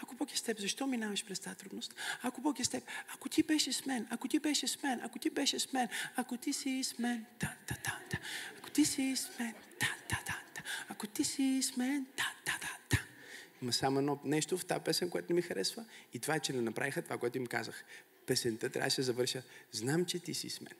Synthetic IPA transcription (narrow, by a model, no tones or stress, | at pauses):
ɐkopokʲist̪ɛpzɐʃt̪ɔminavɐʃpɾɛst̪at̪ɾud̪nost̪akopɔkʲist̪ɛpɐkot̪ibɛʃɛsmɛnɐkot̪ibɛʃɛsmɛnʔɐ̰kot̪ibɛʃɛsmɛnakot̪isismɛnt̪ant̪ḁt̪ant̪ḁako̥t̪isismɛnt̪at̪ad̪ant̪ḁakot̪isismɛnt̪at̪ad̪ant̪ḁ | mɐsamoɛd̪nɔnɛʃt̪oft̪a̰pɛsɛnʲkoɛt̪ʊnɛmixɐɾʔɛsvəit̪ovaɛt͡ʃɛnɛnɐpɾʔa̰vʲixət̪ovakoɛt̪ʊimkazəx | pɛsɛnt̪ət̪ɾʲʔa̰vd̪ʃsɛzɐvəɾʃəznamt͡ʃɛt̪isḭsmɛ̰n